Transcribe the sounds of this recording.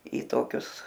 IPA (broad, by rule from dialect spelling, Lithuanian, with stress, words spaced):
iː ˈtoːkʲʊs